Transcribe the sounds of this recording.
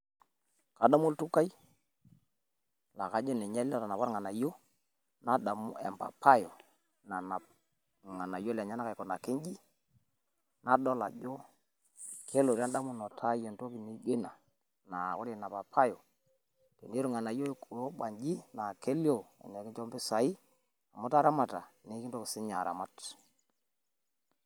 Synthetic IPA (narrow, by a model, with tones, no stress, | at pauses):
ka˨da˦mo˦ltu˦ka˦i˦ | la˨ka˨d͡ʒe˦nɛ˨ɲɛ˦lɔ˦ta˨na˨pa˦ɾŋa˨na˨jo˦ | na˦da˨m̰˦ɛ̰˨mpa̰˨pʰa˦jɔ˨ | na˨na˨ | ŋa˨na˨jo˦la˨ɲa˦na˦ka˨kɔ˨na˨ke˦ɲd͡ʒi˦ | na˦dɔ˦la̰˨d͡ʒo˦ | kʰe˦lo˨ɾa˦nda˦mu˦nɔ˨tʰa˦je˨nto˦ki˨ni˨ɡe˦na˨ | na˨ko˦ɾe˨na˨pa˨pʰa˦jɔ˨ | te˨ne˦ɾu˦ŋa˨na˨jo˦kɾo˦ɓa˨ɲd͡ʒi˦na˨ke˦ljo˨ɛ̰˨nɛ˨kɪ˦t͡ʃɔ˦mbɪ˦sa˨i˦ | a˨mu˦ta˦ɾa˦ma˨ta˨ne˨˦ki˦nto˦ki˨sɪ˦ɲa˨ɾa̰˨ma˦t